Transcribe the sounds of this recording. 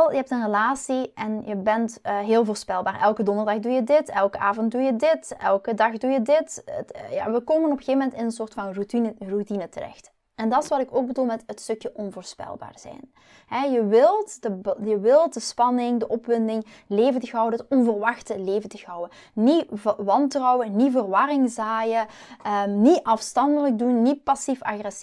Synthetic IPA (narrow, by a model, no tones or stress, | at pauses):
ɛlˠjəɦɛp̚tənrəlaːsiʔɛnjəbɛntːɦeːlˠvoːrspɛlˠbaːrʔɛlˠkədɔndərdɑxdujədɪtɛlˠkəaːvɔnt̚dujədɪtɛ̰lˠkədɑxdujədɪtətːja̰ːʋəkoːmənɔpəxeːvəmɛntɪnənsoːrtfɑnrutinrutinətərɛ̰xt | ɛndɑtɪsʋɑtɪkoːɡ̚bədulˠmɛtətstɵkjəʔɔnvoːrspɛ̰lˠba̰ːrz̥ɛ̰jn | ɦɛjəʋɪlˠtdəbjəʋɪlˠtdəspɑnɪŋdəʔɔpʋɪndɪŋ | leːvəntəɣɔwədəətɔnvərʋɑxtəleːvəntəɣɑwə | niʋɑntrɔwənivərʋɑrɪŋzaːjə | ənitʔɑfstɑndələk̚dunːitpɑsifɑxrɛs